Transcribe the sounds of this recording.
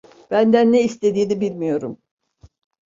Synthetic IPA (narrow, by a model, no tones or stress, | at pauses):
b̥ænd̪ænːeist̪ʰe̞d̪iːnibilʲmijo̞ɾum